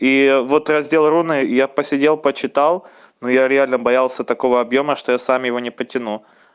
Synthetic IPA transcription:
ivo̞t̪rɐzʲdʲe̞lˠɾunɨjapəsʲɪdʲe̞lˠpət͡ɕɪt̪alˠ | nojaɾʲɪalʲnəbɐjalˠsʲət̪ɐko̞vəɐbjo̞məʂt̪o̞jasamjɪvo̞nʲɪpətʲɪnu

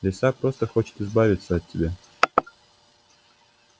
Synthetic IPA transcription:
lʲɪsapɾo̞st̪əxo̞t͡ɕɪ̥t̪ɨzbavʲɪt̪səɐt̪̚ʲːɪbʲa

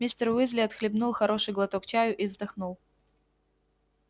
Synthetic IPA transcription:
mʲist̪ərwɨzʲlʲɪɐt̪xlʲɪbnulˠxɐɾo̞ʂɨjɡlˠɐt̪okt͡ɕajʊʔivzd̪ɐxnulˠ

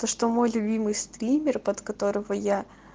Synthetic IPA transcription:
t̪oʂt̪omo̞jlʲʊbʲimɨjst̪ɾʲimʲɪrpɐt̪kɐt̪o̞ɾɨvəja

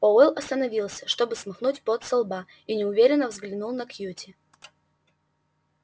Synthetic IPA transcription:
oɛlˠɐst̪ənɐvʲilˠsʲə̥ʂt̪o̞bɨsmɐxnutʲpot̪sɐlˠba | inʲɪʊvʲeɾʲɪnːəvzɡlʲɪnulˠnɐkjutʲɪ

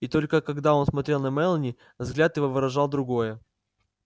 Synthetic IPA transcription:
it̪o̞lʲkəkɐɡd̪ao̞nsmɐt̪ɾʲe̞lˠnɐmɛlˠənʲɪ | vzɡlʲat̪jɪvo̞vɨɾɐʐɑlˠd̪ɾʊɡo̞jə

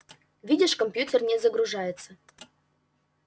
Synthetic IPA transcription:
vʲidʲɪʂkomʲpʲjutʲernʲezəɡɾuʐɑjɪt̪sə

